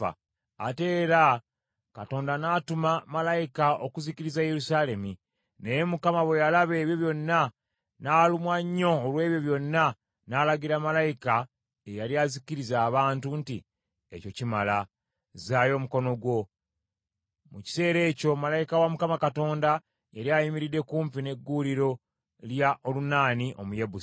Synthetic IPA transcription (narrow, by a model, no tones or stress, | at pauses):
a̰ | ate̞ːɾa | kato̞ːndanaːtumamalajikao̞kuziciɾizaje̞ɾusaːle̞mi | neje̞mukamaβwe̞jalaβe̞ːβjo̞βjo̞nːa | naːlumwaɲːo̞ːlwe̞ːβjo̞βjo̞nːa | naːlaɡiɾamalajika | ejaliaziciɾizaːβaːntunti | ḛco̞cimala | zaːjo̞muko̞no̞ɡwo̞ | muci̥se̞ːɾe̞ːco̞malajikawamukamakato̞ːnda | eɾiajimiɾidːe̞kuːmpine̞ɡːuliɾo̞ | ljaʔo̞lunaːniʔo̞̰mujebu